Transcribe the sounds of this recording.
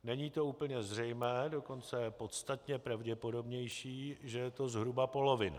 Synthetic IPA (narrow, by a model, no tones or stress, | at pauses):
nɛɲiːt̪o̞uːpl̩ɲɛzr̝ɛjmɛːdo̞ko̞nt͡sɛɛpo̞t̪st̪at̪ɲɛpɾavɟɛpo̞do̞bɲɛjʃiːʒɛjɛt̪o̞zɦɾubapo̞lo̞vɪn